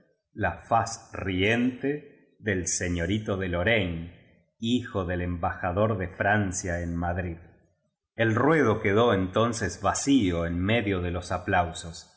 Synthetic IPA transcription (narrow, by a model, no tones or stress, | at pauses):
lafasrient̪e | ðelseɲjo̞ɾit̪oðelo̞ɾen | ixoðe̞lembaxaðo̞ɾðefɾansjaenmaðɾið | elrweðo̞keðo̞ent̪o̞nsezβasioenme̞ðjo̞ðe̞lo̞saplawso̞s